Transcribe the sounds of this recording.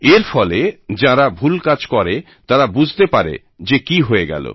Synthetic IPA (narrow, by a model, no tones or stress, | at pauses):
eɾfɔled͡ʑãɾabʱulkad͡ʑkɔɾe | t̪ãɾabud͡ʑʱt̪epaɾḛ | d͡ʑekiɦojeɡɛ̰lo̰